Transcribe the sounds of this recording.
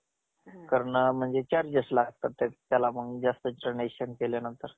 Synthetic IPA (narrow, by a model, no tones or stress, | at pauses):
kəɾɳm̤əɳd͡zet͡ɕaɾd͡ʑəslaɡt̪at̪ːet̪jalaməɡd͡ʑast̪əəneɕənkelenənt̪əɾ